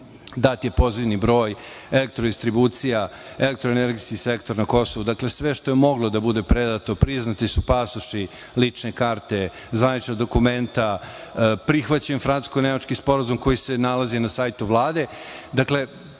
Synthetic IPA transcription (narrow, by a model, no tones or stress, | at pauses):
d̪at̪je̞po̞ziʋnibɾo̞ːj | elek̚t̪ɾod̪ist̪ɾibuːt̪sija | elek̚t̪ɾoeneɾɡijskise̞kt̪o̞ɾnako̞so̞ʋud̪akle̞sʋe̞ʃt̪o̞jemo̞ɡlo̞d̪abud̪e̞pɾed̪at̪o̞pɾiznat̪isupasuʂi | lit͡ʂne̞kaːɾt̪e̞ | zʋanit͡ʃnad̪o̞kument̪a | pɾixʋat͡ɕenfɾanu̥skonemat͡ʃkispo̞ɾazumko̞jise̞nalazinasajt̪uʋlˠaːd̪e̞d̪akle̞